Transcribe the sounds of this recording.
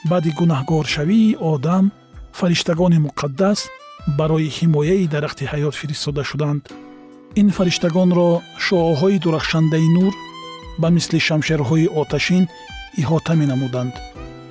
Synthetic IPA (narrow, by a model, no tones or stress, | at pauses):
bad̪iɡunahɡɔɾʃaviːʔɔd̪am | faɾiʃt̪aɡɔnimuqʰad̪ːas | baɾɔihimɔjaid̪aɾaχt̪ʰihajɔt̪fiɾist̪ɔd̪aʃud̪and̪ | infaɾiʃt̪aɡɔnɾɔʃɔɦɔid̪uɾaχʃand̪ainuɾbamisliʃamʃeɾɦɔiʔɔt̪ʰaʃin | iɦɔt̪ʰamenamud̪and̪